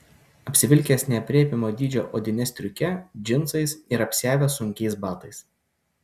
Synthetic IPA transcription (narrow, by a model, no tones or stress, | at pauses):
ɐpʲsʲɪʋʲɪlʲkʲeːsnʲɛɐpʲɾʲeɛpʲɪmoːd̪ʲiːd͡ʒʲoːʔod̪ʲɪnʲɛsʲt̪ʲɾʲʊkʲɛd͡ʒʲɪnˑt̪sɐɪsɪɾɐpʲsʲæːʋʲɛsʊŋʲkʲɛɪsbɑːt̪ɐɪs